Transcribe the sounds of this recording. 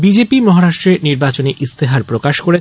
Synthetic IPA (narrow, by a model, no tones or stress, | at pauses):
bid͡ʑepimɔɦaɾaʃʈɾeɾniɾbat͡ɕoneʔist̪ʰeɦaɾpɾokaʃkoɾe